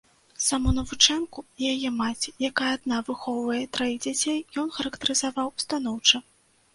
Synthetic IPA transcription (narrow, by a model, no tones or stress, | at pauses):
samunɐvut͡ʂɛnkuijajɛmat͡sʲi̥jakajɛad̪̚navɨxɔwvɐjɛt̪ɾajiɣd͡zʲat͡sʲejjɔnxɐɾɐkt̪ɐɾɨzavawst̪an̪ɔwt͡ʂɐ